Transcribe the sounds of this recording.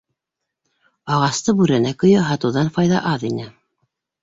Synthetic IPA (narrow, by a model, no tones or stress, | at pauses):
ɑʁɑst̪ɤbʉɾænækɵ̆jɤɦɑt̪ɤ̆wðɑnfɑjðɑ̰ʔɑðinɘ